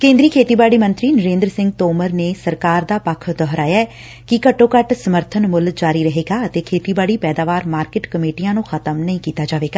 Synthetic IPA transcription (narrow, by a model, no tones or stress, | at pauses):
kẽːnd̪ɾiːkʰeːt̪iːbaːɽiːmə̃nt̪ɾiːnəɾẽːnd̪ɾsɪ̃ŋɡt̪oːməɾneːsəɾkaːɾd̪aːpəkʰd̪ɔːɾaːjaː | kɪkəʈːõːkəʈsəməɾt̪ʰənmʊld͡ʒaːɾiːɾəɦeːɡaːət̪eːkʰeːt̪iːbaːɽiːpɛːd̪aːʋaːɾmaːɾkɪːʈkəmeːʈijãːnũːxʰət̪əmnəĩːkiːt̪aːd͡ʒaːʋeːɡaː